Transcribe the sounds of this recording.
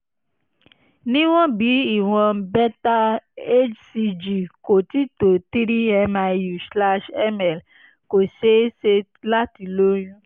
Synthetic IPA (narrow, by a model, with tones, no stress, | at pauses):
nĩ˦w̃ɔ̃˦bi˨˦i˨w̃ɔ̃˧bɛ˦ta˦e˦d͡ʒsi˧d͡ʒi˨ko˨ti˦to˨ti˦ɾi˦ɛ˧ma˧ju˨sla˦ʃɛ˦mɛ˨l | ko˨ʃe˦se˧ | la˦ti˧lo˦ɾ̃ũ˦